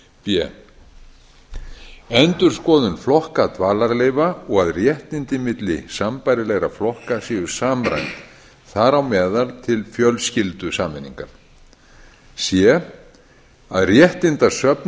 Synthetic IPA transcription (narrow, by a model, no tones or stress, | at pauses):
pjɛ | ɛnt̪ʏɾ̥skɔːðʏnflɔhkat̪ʰvaːlaɾleːjvaɔɣaðrjɛht̪ɪnt̪ɪmɪt̪lɪ̰sampajɾɪlɛɣɾaflɔhkasiːɣʏɾ̥saːmɾa̰jnt̪ | θaɾawmɛːðalt̪ʰɪlfjœlscɪlt̪ʏsaːmɪnːḭŋkaɾ̥ | sjɛ | aðrjɛht̪ɪnt̪ḁsœpn